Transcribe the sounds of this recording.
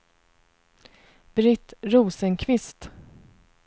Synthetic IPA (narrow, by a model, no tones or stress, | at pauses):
b̥ɾɪt̪ɾuːsənkʰvɪst̪